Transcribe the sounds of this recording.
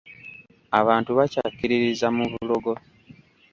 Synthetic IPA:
a̰βaːntuβacakːiɾiɾizamuβulo̞ɡo̞

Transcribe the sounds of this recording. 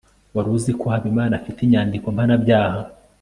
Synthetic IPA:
waɾuzikohaβimaːnafitiɲaːndiko̞mpanabɟaːha

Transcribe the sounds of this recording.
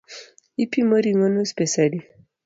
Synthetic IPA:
ipimoɾiŋonospesali

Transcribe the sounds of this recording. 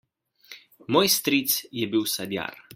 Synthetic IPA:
mɔjst̪ɾit̪sjɛbiwsad̪ja̰ɾ

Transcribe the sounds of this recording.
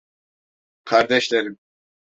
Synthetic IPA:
kʰaɾd̪ɛʃlɛɾi

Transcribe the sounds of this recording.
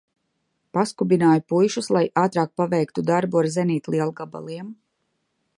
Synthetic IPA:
paskubinaːjupujʃuslˠajʔaːt̪ɾaːk̚pavɛjkt̪ud̪aɾbuaɾzɛniːt̪lˠiɛlˠɡaba̰lˠiɛm

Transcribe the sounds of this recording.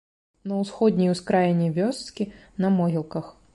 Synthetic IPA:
nɐwsxɔd̪ʲnʲijuskɾajɛnʲɛvʲɔst̪kʲi | nɐmɔɦʲilˠkɐx

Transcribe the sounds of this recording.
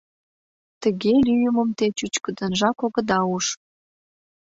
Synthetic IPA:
t̪əɣelʲyjəməmt̪et͡ɕut͡ɕkə̆d̪ə̆nʒɑkoɣə̆d̪ɑuʃ

